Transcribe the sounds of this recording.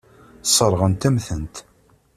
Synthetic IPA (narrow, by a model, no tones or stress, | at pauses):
sˤəɾˤʁənt̪æmθənt̪